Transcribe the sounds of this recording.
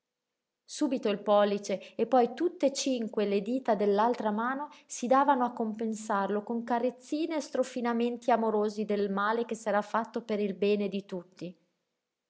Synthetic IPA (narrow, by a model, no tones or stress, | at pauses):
suːbit̪oilpɔlːit͡ʃeːpːɔjt̪ut̪ːet͡ʃiŋkweled̪iːt̪ad̪elːalt̪ɾamaːnosid̪aːvanoakːompensarlokoŋkaɾet̪sːiːneːst̪ɾofinament̪iamoɾoːzid̪elmaːlek̟esːɛɾafːat̪ːopeɾilbɛːned̪it̪ut̪ːi